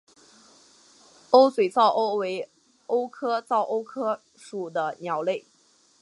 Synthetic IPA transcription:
o˥ʊswe˨˩ɪt͡sɑ˥˩ʊʔo˥ʊwe˧˥ɪ | o˥ʊkʰɤ˥t͡sɑ˥˩ʊʔo˥ʊkʰɤ˥ | ʂu˨˩d̪ə˦njɑ˧˥ʊle˥˩ɪ

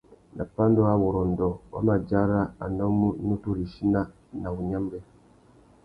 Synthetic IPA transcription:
na̰˨pa˦ndo˦a˦wɔ˨ɾɔ˨n˨dɔ˨wa̰˦ma˨d͡ʒa˦ɾa˦a̰˨nɔ˦mu˦nu˦tu˦ɾi˨ʃi˦na˦ | na˨u˨ɲa˦m˦bɛ˦

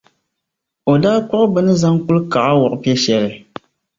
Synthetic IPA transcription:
o˨daː˦kɔ˦ʔbɨ˦nɨ˦za˦ŋku˦lka˨ʔa˦wɔ˨ʔpɛ˦ʃɛ˨lɨ˨

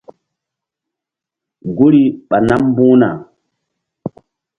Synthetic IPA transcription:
ŋ˨ɡo˦ɾi˦ɓa˨na˦m˦bũː˦na̰˨

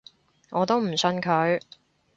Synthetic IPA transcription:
ŋʔɔː˨˧t̪o˥wm̩˨˩sɵ˧nkʰɵ˨˧˥ɥ

